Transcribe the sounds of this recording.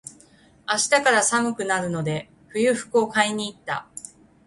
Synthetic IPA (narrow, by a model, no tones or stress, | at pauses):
aɕi̥t̪akaɾasamɯ̟kɯ̟naɾɯ̟no̞d̪e̞ | ɸɯ̟jɯ̟ɸɯ̟̥kɯ̟o̞kaiɲ̟iːt̪ːa̰